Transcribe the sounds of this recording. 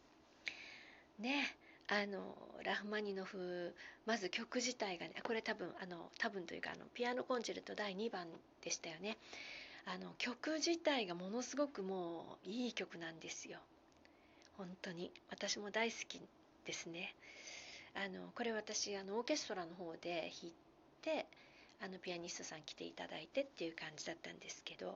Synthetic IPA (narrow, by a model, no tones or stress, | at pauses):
ne̞ano̞̰ɾʔaɸɯ̟maɲ̟ino̞ɸɯ̟mazɨkʲo̞kɯ̟ʑit̪aiɡaneʔako̞ɾe̞t̪abɯ̟̃ɰ̃ano̞̰t̪abɯ̟̃nt̪o̞jɯ̰ka̰ːno̞̰pʲiano̞kõ̞ɲd͡ʑiɾɯ̟t̪o̞d̪aiɲ̟ibãn | d̪̥e̞ɕi̥t̪ajo̞ne̞ | ano̞kʲo̞kɯ̟ʑit̪aiɡamo̞no̞sɨɡo̞kɯ̟mo̞ːiːkʲo̞kɯ̟nãnd̪e̞sɨjo̞ | hõ̞nt̪o̞ɲ̟iβat̪aɕimo̞d̪aisɨ̥kʲi | d̪̥e̞sɨne̞ | ano̞̰ko̞ɾe̞βat̪aɕiano̞ːke̞sɨ̥t̪o̞ɾano̞ɦo̞ːd̪e̞çit̪ːe̞ | ano̞pʲiaɲ̟isɨ̥t̪o̞sãŋkʲi̥t̪e̞̰ḭt̪a̰d̪a̰it̪e̞t̪ːe̞iɯ̟kãɲ̟d͡ʑid̪at̪ːã̰nd̪e̞sɨ̥ke̞d̪o̞̰